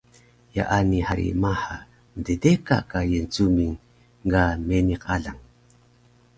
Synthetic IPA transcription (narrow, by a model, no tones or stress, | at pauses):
ja̰ʔanihaɾḭmaħa | mədedeka̰kajənt͡sumiŋ | ɡameniqaɮaŋ